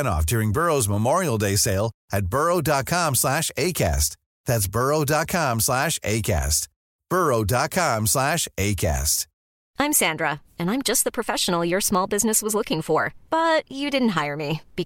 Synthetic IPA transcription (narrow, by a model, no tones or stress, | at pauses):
ɾ̃ɔ̰fd̥ʊɹɪ̃ŋbɜ˞oʊzməmɔɹil̩ˠdeɪseɪlˠɨt̚b̥ɜ˞oʊdɑt̚kʰɑ̃mslæʃeɪkʰæ̰st̚ | ðætsb̥ɜ˞oʊdɑt̚kʰɑ̃mslæʃeɪkʰæ̰st | b̥ɜ˞oʊdɑt̚kʰɑ̃mslæʃeɪkʰæ̰st̚ | ãɪ̃msæ̃ndɹə | ɨ̃ñãɪ̃md͡ʒʌst̪̚ðəpʰɹ̥ɨfɛʃn̩l̩ˠjə˞smɔlˠbɪznɨswʌzlʊkɪ̃ŋfə˞b̥ʌt͡ʃɨdɪdⁿn̩t̚ɦaɪə˞mib̥i